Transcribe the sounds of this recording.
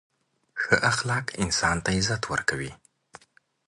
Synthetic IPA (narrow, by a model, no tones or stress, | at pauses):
xəʔaxlɑkɪnsɑnt̪aɪzat̪ʰwə̰ɾkawi